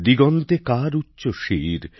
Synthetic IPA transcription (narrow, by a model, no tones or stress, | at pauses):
d̪iɡɔnt̪ekaɾutːɕoʃiɾ